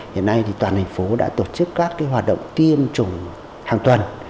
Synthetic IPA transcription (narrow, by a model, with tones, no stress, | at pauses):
hḭ˧˨ənːa˧jt̪ʰi˨˩t̪waː˨˩nt̪ʰa˨˩ŋ̟fo˨˦ɗa̰ː˧˥t̪o˨˩t͡ɕɨ˦˥kːaː˦˥kːaː˨˦jɦwaː˨˩t̚ɗə̰˧˨wŋ͡mt̪i˧əmt͡ɕʊ˨˩ŋ͡m | ha̰ː˧˨ŋt̪wə˨˩n